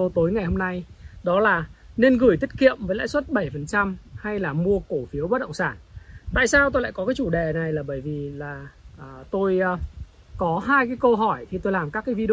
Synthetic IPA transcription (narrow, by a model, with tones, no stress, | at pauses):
o˧t̪o˨˦jŋa˨˩jho˧mna˧jɗɔ˨˦laː˨˩ne˧nɣɨ˨˧˩jt̪ʰï˦˥t̚kḭ˧˨əmvəː˨˦jla̰ː˧˥swə˦˥t̚ɓə˧˩jfə˨˩nt͡ɕa˧mha˧jlaː˨˩mu˧əko˧˩fi˨˦əwɓə˦˥ɗə̰˧˨ŋ͡msaː˧˩nt̪a̰ː˧˨jsaː˧wt̪o˧ja̰ː˧˨kɔ˨˦kaː˨˦jt͡ɕu˧˩ɗe˨˩na˨˩jlaː˨˩ɓəː˧˩jvi˨˩laː˨˩ʔt̪o˧j | kɔ˨˦ɦaː˧jkaː˨˦jkə˧ɦɔ˧˩jt̪ʰi˨˩t̪o˧jlaː˨˩mkaː˦˥kaː˨˦jvi˧˨